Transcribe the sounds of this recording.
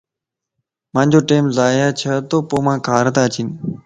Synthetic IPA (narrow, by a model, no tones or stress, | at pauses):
mãːnʲd͡ʒoːʈeːmzaːjaːt͡ʃʰət̪oːpoːmãːkʰaːɾət̪ãːt͡ʃʰiːn